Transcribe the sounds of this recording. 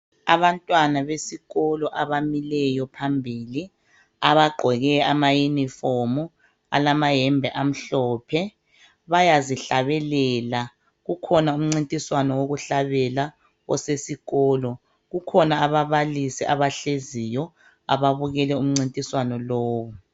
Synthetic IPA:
aβantʼwanaβesiɣɔlɔʔaβamilɛjɔpʰambʱiːli | aβaɡ͡ǃʱɛɣɛamajunifɔmu | a̰lamaɦɛmbʱɛʔam̩ɬɔːpʰɛ | βajaziɬaβɛlɛːla | ɣukʰɔnaum̩ŋ͡ǀintʼiswanɔwoɣuɬaβɛla | ɣɔ̰sesiɣɔːlɔ | ɣukʰɔnaːβaβalisɛʔaβaɬezijɔ | a̰βaβuɣɛlɛum̩ŋ͡ǀintʼiswanɔlɔːβɔ

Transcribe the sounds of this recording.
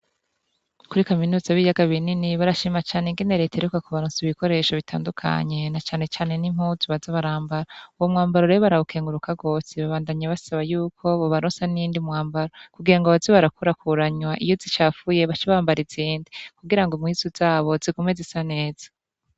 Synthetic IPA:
kuɾikaminuːzaβijaɡaβininiβaɾaʃimat͡ʃaːneŋɡe̞ne̞ɾetaeɾekakuβaɾunsiβiko̞ɾe̞ːʃoβitʰa̰ːndukʰa̰ɲe̞nat͡ʃaːne̞t͡ʃaːne̞nim̥huːzuβazoβaɾaːmbaɾauwomŋaːmbaɾoɾeβoβaɾaukʰe̞ːŋɡuɾukaɡo̞ːsiβaβaːndaɲaβasaβajuːkʰo̞βoβaɾonsaniːndimŋaːmbaɾokuɡiɾaŋɡoβazoβaɾakuɾakʰuɾaɲwaʔijozit͡ʃaːfuje̞βat͡ʃiβaːmbaɾizindikuɡiɾaŋɡomŋiːzoz̥aːβo̞zikumwezisane̞ːz̥ḁ

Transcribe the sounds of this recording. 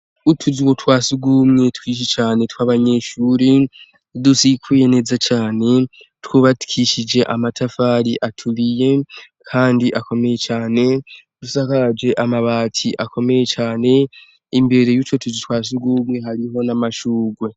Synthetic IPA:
utʰuziwo̞twaːsuɡumŋe̞tkiːʃ̬it͡ʃaːne̞twaβaɲe̞ːʃuːɾi | dusikʰuje̞neːzat͡ʃaːne̞ | twuβatu̥kʰiʃid͡ʒe̞ʔamatʰafaɾiʔatʰulije̞ | kʰaːndiʔako̞me̞je̞t͡ʃaːne̞ | d̥usakaad͡ʒe̞ʔamaβaːtʰiʔakʰo̞me̞jet͡ʃaːne̞ | imbe̞ɾe̞jut͡ʃo̞tuzitwaːs̬uɡumŋe̞ɦaɾiɦo̞namaʃuːɡwe̞

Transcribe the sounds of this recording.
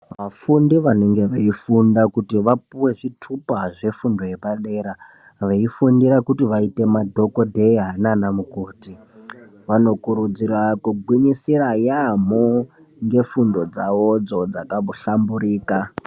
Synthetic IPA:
ʋafundiʋane̞ŋɡe̞ʋeifundakutiʋapuwe̞ʐitʰupaʐe̞fundo̞je̞paɗe̞ɾa | ʋaifundiɾakutiʋaite̞madʱo̞ko̞dʱe̞iɦananamukoːti | ʋano̞kuɾud͡zirakuɡʱwiɲisirajam̤o | ŋɡe̞fundo̞d͡zaʋo̞d͡zo̞d͡zakamboɬambuɾiːka

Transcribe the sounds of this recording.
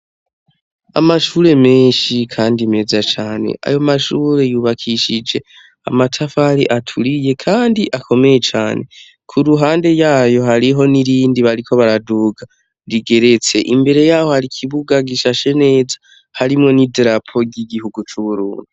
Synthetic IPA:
a̰maʃuɾe̞meːʃikʰaːndime̞zat͡ʃaːne̞̰ʔa̰jo̞maʃuɾe̞juβakʰiʃid͡ʒe̞ | a̰matʰafaɾḭʔatʰuɾije̞kʰaːndiʔakʰo̞me̞je̞t͡ʃa̰ːne̞ | kʰuɾuɦaːnde̞jaːjo̞ɦaɾiɦo̞niɾiːndiβaɾikʰo̞βaɾaduːɡa | ndiɡe̞ɾe̞t͡se̞ʔimbe̞ɾe̞jaːho̞haɾikʰiβuɡaɡiʃaʃe̞ne̞ːzḁ | haɾimŋo̞nidɾapʰo̞ɡiɡihuɡut͡ʃuβuɾṵːndi

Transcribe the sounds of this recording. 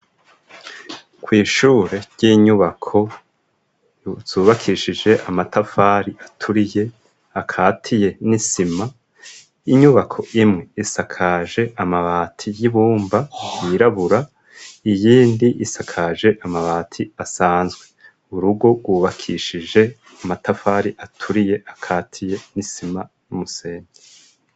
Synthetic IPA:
kwiːʃuːɾe̞ɾɟ̥iːɲuβakʰo̞ | z̥uːβakʰiʃid͡ʒe̞ʔamatafaːɾiatʰuɾije̞ | akʰaːtʰije̞nisima | iɲuβakʰo̞ʔimŋe̞isakʰaʒe̞ʔamaβaːtʰijiβuːmbajiɾaβuɾa | ijiːndiʔisakʰaːʒe̞ʔamaβaːtʰiasaːnzɡwe̞ | uɾuɡo̞ɡwuːβakʰiʃid͡ʒe̞ | amatafaːɾiʔatʰuɾije̞ʔakʰaːtʰije̞nisima | jumuseːɲɡe

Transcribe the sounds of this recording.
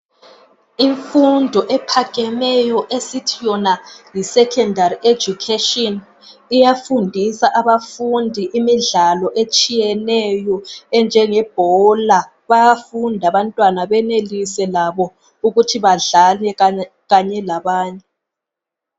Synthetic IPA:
iɱfundʱɔʔɛpʰaɣʼɛmɛjɔʔesitʰijɔnajisɛkʰɛndʱariʔed͡ʒukʰeʃʼɔn | ijafundʱisaʔaβafundʱiʔimiɮalɔʔet͡ʃʼijɛnɛjɔɛnd͡ʒʱɛŋɛb̥ʱɔla | βajafundʱaβantʼwanaβɛnelisɛlaβɔ | uɣutʰiβaɮalɛ | ɣaɲɛlaβaːɲɛ

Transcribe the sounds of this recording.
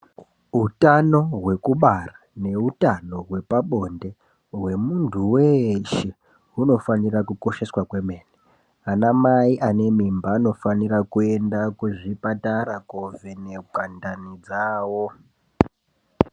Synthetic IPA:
ɦutano̞ɦwe̞kuɓara | ne̞utano̞ɦwe̞paɓo̞nde̞ | ɦwe̞muntʰuweʃe | ɦuno̞fanirakuko̞ʃe̞swakwe̞meːne | anamaiʔane̞mimbaːno̞fanirakue̞ndakuʐipataɾakovenekandanid͡zaːwo

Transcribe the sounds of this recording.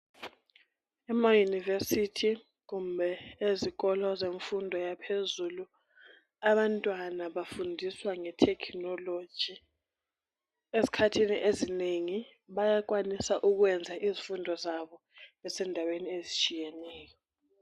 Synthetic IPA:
ɛmajunivesitʰi | kumbʱɛezik̬ɔlɔzeɱfundʱɔjapʰezulu | aɓantʼwanaɓafundʱiswaŋɛtʰɛkʰnɔlo̥ʒ̥ʱi | esi̥kʰatʰiniʔezineŋi | ɓajak̬wanisaʔuk̬wɛnd͡zʱaʔizifundʱɔzaɓɔ | ɛsɛndʱaweniezit͡ʃʼijɛnɛːjɔ

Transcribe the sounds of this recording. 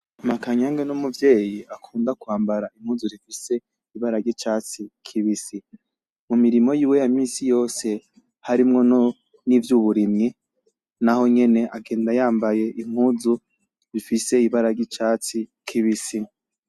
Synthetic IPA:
makaɲaːŋɡenumuvje̞ːjiʔakʰuːndakuaːmbaɾaim̥huːzuɾifise̞ | iβaɾaɾɡɟit͡ʃaːt͡sikʰiβisi | mumiɾimo̞jiːwe̞jamiːsijo̞ːse̞ | haɾimŋo̞no | nivjuβuɾimŋi | naho̞ɲe̞ne̞ʔaɡe̞ːndajaːmbaje̞ʔim̥huːzu | ɾifise̞iβaɾaɾɟit͡ʃaːt͡si | kʰiβisi

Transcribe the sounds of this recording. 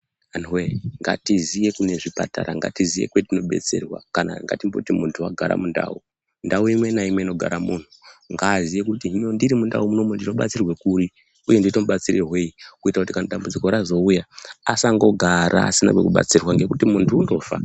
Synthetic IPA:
anweŋɡa̰tizije̞kune̞ʐipa̰ta̰ɾaŋɡa̰tizije̞̰kwetino̞ɓe̞̰t͡se̞̰rwa̰kana̰ŋɡa̰timbotimuntʰua̰ɡʱaɾa̰munda̰ːu | ndauimwe̞naimwe̞ino̞ɡʱa̰ɾamun̤uŋɡaːzijekutimondiɾimunda̰umuno̞mundino̞ɓa̰t͡sirwe̞kuri | uje̞nditomuɓat͡siɾʔeɦwe̞ikuitakutikanaɗambud͡ziko̞ɾazo̞ujaːsaŋɡo̞ɡʱaɾʔa̰ːsina̰kwḛkuɓa̰t͡sirwaŋɡe̞kutimuntʰuːndo̞ːfa̰

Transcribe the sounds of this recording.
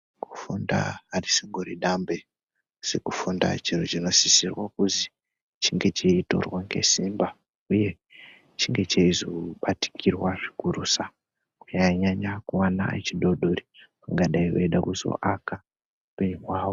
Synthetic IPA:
ku̥funda̰arisiŋɡoɾḭɗambe | sikufunda̰t͡ʃirut͡ʃino̞sisirwakuzi | t͡ʃiŋɡe̞t͡ʃiito̞̰rwaŋɡe̞̰simba | uje̞ | t͡ʃiŋɡe̞t͡ʃeizoɓati̥kʰirwaʐikuɾusa | kuɲaɲaɲakuwana̰et͡ʃiɗo̞ɗorikaŋɡaɗaiwḛiɗakuzo̞̰ʔaka | peɲiwaːwo

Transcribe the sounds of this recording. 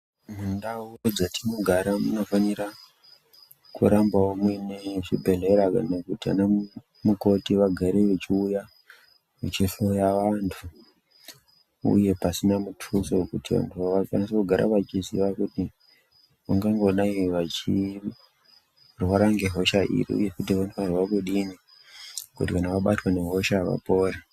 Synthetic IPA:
mundaurod͡zatino̞ɡʱaɾamuno̞faniɾa | kṵɾambaomweneʐibʱe̞ɮe̞ɾaknekutia̰na | muko̞tiʋaɡʱaɾeʋet͡ʃiuja | ʋut͡ʃiɬojaʋantʰu | ṵje̞pasinamutʰuso̞kutiʋa̰ntʰuʋaʋafanisekuɡʱaɾʔa̰ʋat͡ʃizḭʋakuti | ʋaŋɡaŋɡo̞ɗaiʋat͡ʃi | rwaɾaŋɡeɦo̞ʃaʔḭɾḭṵje̞kutiʋantʰuʋarwakeɗini | kutikanaʋaɓa̰twane̞ɦo̞ʃaʋa̰po̞ːɾa

